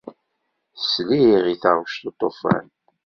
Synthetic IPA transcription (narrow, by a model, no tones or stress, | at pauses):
sliʁiθɑɾʃt̪ot̪ˤːofæ̰n